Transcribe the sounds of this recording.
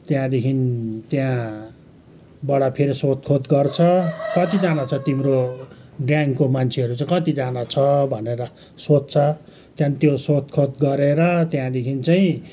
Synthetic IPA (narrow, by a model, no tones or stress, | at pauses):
t̪jãd̪ekʰint̪jã | bʌɽapʰeɾisot̪kʰot̪ɡʌrt͡sʰʌkʌt̪id͡zanat͡sʰʌt̪imɾo | ɖjaŋkomant͡sʰeʌɾut͡saĩkʌt̪id͡zanat͡sʰʌbʱʌneɾʌ | sot͡st͡sʰʌ | t̪jãnt̪josot̪̚kʰot̪ɡʌɾeɾʌt̪jãd̪ekʰint͡saĩ